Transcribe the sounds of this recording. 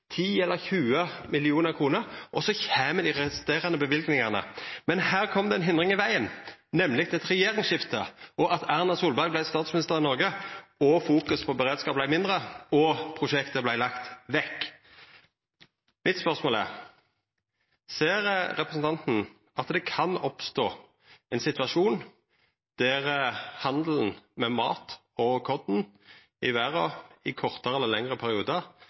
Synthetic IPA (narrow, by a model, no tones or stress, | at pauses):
t̪ʰiːɛlːəʁçʉːəmɪlɪuːnəʁkʰʁuːnəɾʔɔsɔçæːməd̪iːʁɛst̪eːʁənəbəʋɪlɡnɪŋɑʁnə̰mɛnhæːʁkʰɔmd̪ɛɛnɦɪnd̪ʁɪŋɪʋæɪənnɛmlɪɡt̪ɛt̪ʁɛjeːʁɪŋsʃɪft̪əʔɔʔɑt̪ʰæʁnɑsuːlbɑʁɡblæɪst̪ɑːt̪smɪnɪst̪əʁɪnɔʁɡəɔfuːkʉspʰɔbəʁeːd̪skɑːpblæɪmɪnd̪ʁəɔpʰʁʊʃɛkt̪əblæɪlɑkt̪ʋɛkː | mɪt̪spœʁsmoːlæ̰ʁ | seːʁəɾɛpʁəsn̩t̪ʰɑnt̪n̩ | ʔɑt̪d̪ɛkʰɑnɔpst̪oː | ɛnsɪt̪ʋɑʂuːn | d̪̥æʁəhɑnd̪l̩n̩mɛmɑ̰ːt̪ | ɔkʰɔd̪n̩ | ɪʋæʁɔɪkʰɔʁt̪əʁɛlːəlɛŋʁəpʰæɾɪuːd̪əʁ